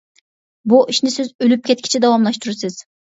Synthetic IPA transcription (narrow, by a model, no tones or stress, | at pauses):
buʔiʃnɪsɪzølyp̚kʲʰɛt̪̚kʲʰi̥t͡ʃʰɛd̪ɑwɑmlˠɑʃt̪uɾsɪz̥